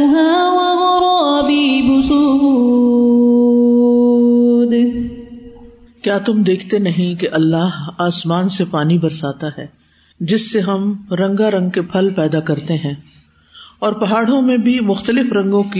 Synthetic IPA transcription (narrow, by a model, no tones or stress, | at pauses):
ɦãʋɐɦoɾoɐbibʊsu | d̪e | kjaːt̪ʊmd̪eːkʰt̪enɐɦĩkeʔɐlːaːɦaːsmaːnsepaːnibɐɾsaːt̪aɦɛː | d͡ʒɪsːeɦɐmɾɐ̃ŋɡaɾɐ̃ŋɡ̚kepʰɐlpɛːd̪akɐɾt̪eɦɛ̃ː | ɔːɾpɐɦaːɽ̤õmẽbʱimʊxt̪əlɪfɾɐ̃ŋɡõki